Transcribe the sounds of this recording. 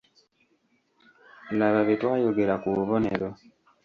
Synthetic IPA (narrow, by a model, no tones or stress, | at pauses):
laβaβitwajuɡeɾakuβɔnɛ̰ɾɔ